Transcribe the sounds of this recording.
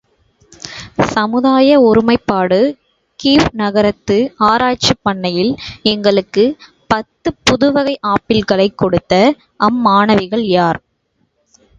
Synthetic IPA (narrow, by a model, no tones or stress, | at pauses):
sɐmɯðaːjɐʊɾɯmɐɪpːaːɽɯ | kiːʋnɐɣɐɾɐt̪ːɯaːɾaːt͡ʃːɐpːɐɳːɐjɪlɛŋɡɐɭɯkːɯ | pɐt̪ːɯpʊðʊʋɐɣɐɪʔaːpːɪlɣɐɭɐɪkːɔɽɯt̪ːɐ | ʔɐmːaːɳɐʋɪɣɐɭjaːɾ